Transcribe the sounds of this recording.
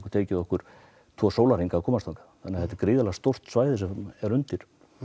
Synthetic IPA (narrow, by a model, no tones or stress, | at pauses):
kʏɾt̪ʰeːcɪðɔhkʏɾ̥ | t̪ʰvɔːsoːwlaɾiŋkaːkʰɔːmast̪aŋkḁθanːɛaθɛt̪ɛɾkɾɪːðalaɣast̪owr̥t̪svaːjðɪsɛmɛɾʏnt̪ɪɾ̥